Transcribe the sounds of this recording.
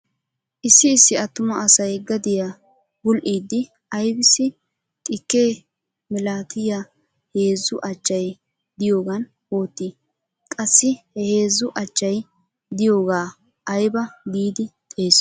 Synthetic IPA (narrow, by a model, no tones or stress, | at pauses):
ʔɪsːɪːsːɪɐt̪ːʊmɐʔɐsɐjɡɐd̪ɪja | bʊlʔiːd̪ːɪ | ɐjbɪsːɪ | t̪ʼɪkːeː | mɛlaːt̪ʰɪja | he̞ːzːʊʔɐt͡ʃːɐj | d̪ɪjo̞ːɡɐn | wo̞ːt̪ːiː | kʼɐsːɪhɛhe̞ːzːʊʔɐt͡ʃːɐj | d̪ɪjo̞ːɡaː | ʔɐjbɐd̪iːd̪ɪt̪ʼe̞ːs